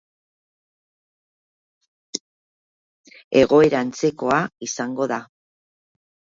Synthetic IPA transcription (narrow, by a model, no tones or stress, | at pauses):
e̞ɣo̞e̞ɾant͡se̞ko̞aisaŋɡo̞ða